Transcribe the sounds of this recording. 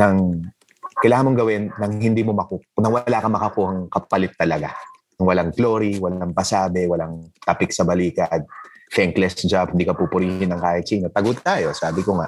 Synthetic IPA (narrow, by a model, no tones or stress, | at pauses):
nɐŋ | kɐjlaːhamoŋɡɐwɪnːɐŋɦɪnd̪iːmomɐkunɐŋwɐlaːkɐmɐkɐkuːhɐŋkɐpɐlɪt̪ːɐlɐɡa̰ | ɐŋwɐlaŋɡloɾiwɐlaŋpɐsaːbɛwɐlaŋt̪ɐpɪk̚sɐbɐliːkɐd̪̚fɛŋklɛsd͡ʒabhɪnd̪iːkɐpupʊɾiːɪnɐŋkaːjɪt̪sɐʔinot̪ɐɡʊt̪̚t̪aːjo̞saːbɪkoŋa̰ʔ